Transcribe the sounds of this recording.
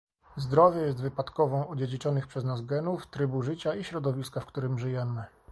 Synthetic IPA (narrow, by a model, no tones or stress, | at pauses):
zd̪ɾɔvʲjɛjɛs̬t̪vɘpat̪kɔvɔ̃w̃ɔd͡ʑed͡ʑit͡ʂɔnɘxpʂɛznazɡɛnuft̪ɾɘbuʐɘt͡ɕaiɕɾɔd̪ɔvʲiskafkt̪uɾɘmʐɘjɛmɘ